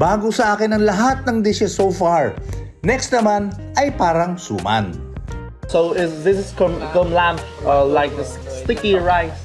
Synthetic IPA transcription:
baːɡosɐʔaːkɪnɐŋlɐɦat̪̚nɐŋd̪ɪʃɪsowfaɹ | nɛkst̪̚nɐman | ʔɐjpaːɾɐŋsṵːma̰n | soʊɪðɪs̬ɪskɔ̃mkɔ̃mlãmp | ʌlaɪk̚ðəs | st̪ɪkiɹaɪs

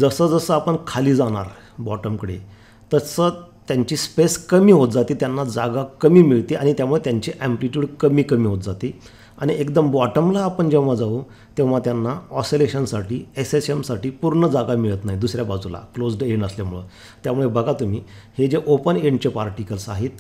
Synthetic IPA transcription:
d͡zəsəːd͡zəsəːapəɳkʰaliːd͡zaɽ̃a̰ɾ | bɔʈəmkəɽḛ | t̪əsəːt̪jaɲt͡ɕiːspeskəmiːɦot̪d͡zat̪iːt̪janːad͡zaɡakəmiːmiɭt̪iʔaɽ̃it̪jamuɭet̪jaɲt͡ɕiʔæ̃mpliʈjuːɽkəmiːkəmiːɦot̪̚d͡zat̪iː | aɽ̃iekd̪əmbɔʈəmlaːpəɳd͡ʑew̃ʋ̤ad͡zau | t̪ew̃ʋ̤at̪janːaɔseleɕənsaʈiːesesemsaʈiːpuɾɳəd͡zaɡamiɭət̪naɦid̪usɾjabad͡zula̰klod͡zɖeɳəsljamuɭə̰ | t̪jamuɭebʱəɡat̪um̤iː | hed͡ʑeʔopəneɳɖt͡ɕepaɾʈikəlsaɦiːt̪̚

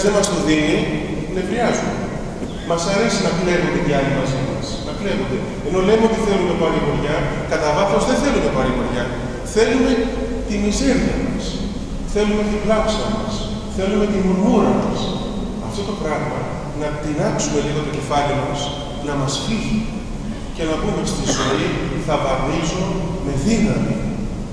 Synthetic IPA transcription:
ðemɐst̪uðini | ne̞vɾiɐzume | mɐsɐɾe̞sinɐkle̞vond̪et̪iɐlimɐzimɐ̰snɐple̞vond̪e̞ | eno̞le̞meo̞t̪iθe̞lumɐpɐɾiɣoɾʝɐkɐt̪ɐðɐθo̞zðe̞θe̞luɐpɐɾiɣoɾʝɐ | θe̞lume̞ | t̪imize̞ɾɐ̰mɐs | θe̞lume̞t̪iɡlɐpsiɐmɐs | θe̞lume̞t̪inunuɾɐmɐs | ɐ̰ft̪o̞t̪o̞pɾɐɣmɐ | nɐt̪inɐksume̞liɣo̞t̪o̞ce̞fɐlimɐs | nɐmɐsfizu | ce̞nɐbumet̪ist̪izoiθɐpɐmizo | me̞ðinɐmḭ

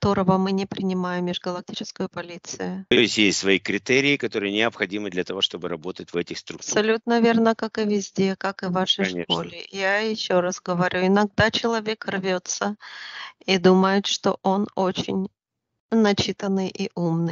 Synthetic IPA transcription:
kɐt̪o̞ɾəvəmɨnʲɪpɾʲɪnʲɪmajɪmːʲɪʐɡəlˠɐk̚tʲit͡ɕɪskəjʊpɐlʲit̪sɨjʊt̪ojɪsʲtʲjesʲtʲsvɐikɾʲɪt̪ɛɾʲɪːkɐt̪o̞ɾɨjənʲɪɐpxɐdʲimɨd̪lʲɐt̪ɐvo̞ʂt̪o̞bɨɾɐbo̞t̪ət̚ʲvɛtʲɪxst̪ɾup̪sɐlʲut̪nəvʲe̞rnəkakɨvʲɪzʲdʲe̞kakɨvaʂəjʂko̞̰lʲɪjajɪɕːoɾasɡəvɐɾʲʔuɪnɐɡ̚d̪at͡ɕɪlˠɐvʲe̞krvʲo̞t̪sə | id̪uməjɪt̪ʂt̪o̞̰ʔo̞no̞t͡ɕɪ̰nʲ | nɐt͡ɕit̪ənːɨjʔiʔumnɨ

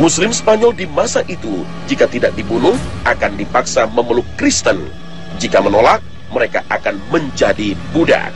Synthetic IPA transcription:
muslɪmsə̥paɲɔldimasaʔit̪u | d͡ʒikat̪idak̚dibunʊh | ʔakandipaksaməməlʊkːɾist̪ən | d͡ʒikamənolak̚ | məɾekaʔakanməɲd͡ʒadibuda̰k̚

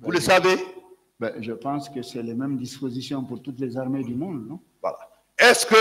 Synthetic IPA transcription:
vuləsave | bɛʒəpɑ̃skəsɛlemɛmd̪ispozisjɔ̃puɾt̪ut̪lezaʁmed̪ymɔ̃d̪nɔ̃ | vwa̰la̰ | ɛskə

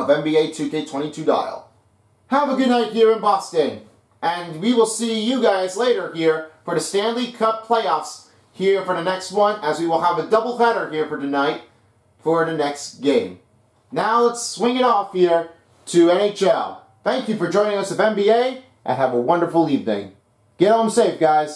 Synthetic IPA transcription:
ʌvɛ̃mbieɪtʰʉeɪtʰw̥ɛ̃ɾ̃itʰʉda̰ɪlˠ | həvəɡʊdⁿnaɪt̚hiɹɨ̃nbɑstɨ̃n | ɨ̃nwiwəlˠsijɨɡaɪzleɪɾə˞hiɹfə˞ðɨstæ̃nlikʰʌp̚pʰl̥eɪɔfs | hiɹfə˞ðɨnɛkst̚wʌ̃nɨzwiwəlˠəvɨdʌbl̩ˠpʰæɾə˞hiɹfə˞ðɨnaɪt̚ | fə˞ðɨnɛksɡ̥ẽɪ̃m | naʊlətswɪ̃ŋɨɾɔfhiɹ | ɾɨɛ̃neɪt͡ʃɛlˠ | θæ̃ŋkjɨfə˞d͡ʒɔ̃ɪ̃nɪ̃ŋʌsɨðɛ̃mbieɪ | ʔɨ̰̃nəvəwʌ̃ndə˞fl̩ˠlivdḛ̃ɪ | ɡ̥ɛɾõmseɪfɡ̥aɪz̥

